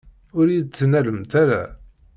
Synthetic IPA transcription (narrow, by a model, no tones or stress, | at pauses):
ʊɾid̪t͡sːnæləmt̪æɾæ̰